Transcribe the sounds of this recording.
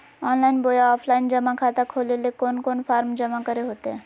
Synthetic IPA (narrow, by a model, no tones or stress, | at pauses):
ɔːnlaɪnboːjaɔːpʰlaɪnd͡ʒəmakʰat̪akʰoːlelekoːnkoːnfʰaːɾmd͡ʒəmakəɾeɦoːt̪e